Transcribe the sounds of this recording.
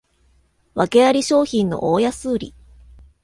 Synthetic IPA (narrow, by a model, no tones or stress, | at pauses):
βake̞aɾʲiɕo̞ːçĩnːo̞̰ʔoːjasɨːɾʲḭ